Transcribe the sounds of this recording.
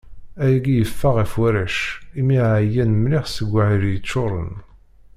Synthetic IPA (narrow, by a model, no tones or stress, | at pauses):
æjiɡijəfːaʁifwæɾæʃimiʕʕjænmlɪχsəɡʷːaʕiɾjət͡sːoɾˤə̰n